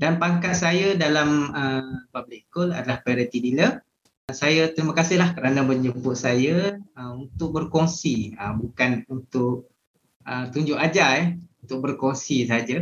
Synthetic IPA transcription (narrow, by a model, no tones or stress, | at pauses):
danpaŋkat̪sajədalaməpablɪkkola̰dalahpɾaoɾit̪idilə | əsajat̪əɾimə̃kasɪɦlahkəɾanəməɲd͡ʒubʊʔsajəəunt̪ʊk̚bərkɔŋsiəbukanunt̪ʊk̚ | ʔət̪uɲd͡ʒʊʔad͡ʒaɛunt̪ʊk̚bərkɔŋsis̬aɦad͡ʒa